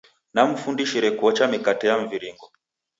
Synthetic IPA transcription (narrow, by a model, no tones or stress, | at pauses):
nam̩fundiʃiɾɛkuɔt͡ʃamikatɛjaɱviɾiŋɡɔ